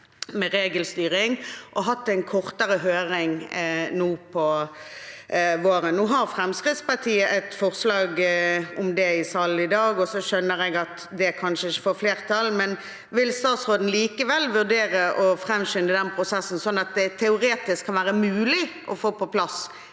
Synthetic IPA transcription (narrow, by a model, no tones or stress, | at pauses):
mɛɾeːɡəlst̪yːʁɪŋʔɔɦɑt̪ːæɪnkʰɔʁt̪əɾəɦøːɾɪŋnuːpʰɔ | ʋoːɾənnuːɦɑʁfɾʁɛmskʁɪt̪spɑʁt̪ʰiːəʔɛt̪fɔʁslɑːɡʊmd̪ɛɪsɑlɪd̪ɑːɡɔsɔʃœnːəʁɛɡɑt̪ | d̪ɛkʰɑnʃəɪçə̥fɔːfleːʁt̪ʰɑlmɛn | ʋɪlst̪ɑːt̪sʁoːd̪n̩liːkəʋɛlːʋʉʁd̪eːʁəʔɔfɾɛmɕʏnd̪əd̪ɛnpʰʁʊsɛsːn̩sɔnːɑt̪̚d̪ɛt̪ʰɛʊɾeːt̪ɪskʰːɑnʋæːʁəmʉːlɪʔɔfoːpɔpʰlɑs